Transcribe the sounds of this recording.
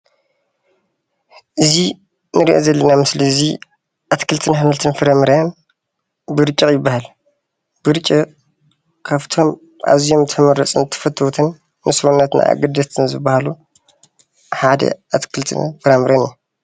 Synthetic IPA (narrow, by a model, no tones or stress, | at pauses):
ʔɨzi | nɨɾiʔo̞̰zɐlːɐnamɨslizi | ʔat̪kʰɨlt̪ʰɨnhamɨlt̪ʰɨnfɨɾɐmɨɾɐn | bɨɾɨt͡ʃʼːɐjɪbːahal | b̥ɨɾɨt͡ʃʼːi | kʰaβt̪ʰom | ʔa̰zijomt̪ʰɐmɐɾɐt͡sʼɨnt̪ʰɐ̥fɐt̪ʰːɐwt̪ʰɨnː | ɨsɾunːɐt̪na̰ʔa̰ɡɐd̪ɐt̪ʰɨnzɨbːahalu | ħad̪ɐ̰ʔat̪kʰɨlt̪ʰɨ̰nfɨɾɐmɨɾɐniju